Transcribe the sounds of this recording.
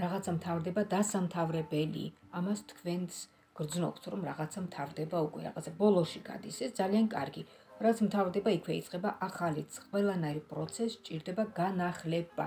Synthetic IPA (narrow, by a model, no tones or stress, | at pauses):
ɾaʁat̪sʰamt̪ʰavɾd̪ɛbad̪asamt̪ʰavɾɛbɛlḭamast̪ʰkʰvɛnt̪s | ɡ̥ɾd̪znɔpsɾɔmɾaʁat̪sʰamt̪ʰavɾd̪ɛbaukʼwɛ̰ɾa̰ʁa̰t̪sʰabɔlˠɔʃiɡa̰d̪isɛsd̪zaliankʼa̰ɾɡi | ɾat̪smt̪ʰavɾd̪ɛbaikʰwɛḭt̪sʼqʼɛbaʔaχalit̪sʰqʼwɛlˠanaiɾpʼɾɔt̪sʰɛst͡ʃʼiɾd̪ɛbaɡanaχlɛba̰